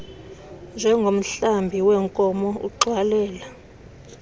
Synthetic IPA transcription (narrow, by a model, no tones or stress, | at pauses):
nd͡ʒʱɛŋɡʱom̩ɬambʱiwɛŋkʼɔmɔṵǃʱwalɛːla